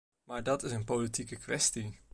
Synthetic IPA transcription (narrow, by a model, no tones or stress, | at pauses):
maːɹdɑtɪsənpolitikəkʋɛsti